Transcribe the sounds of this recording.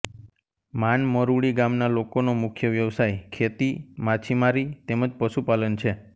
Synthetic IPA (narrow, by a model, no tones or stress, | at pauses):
manməɾuɭiɡamnalokonomʊkʰjəʋjəʋsajkʰet̪imat͡ʃʰimaɾit̪eməd͡ʒpəʃupalənt͡ʃʰe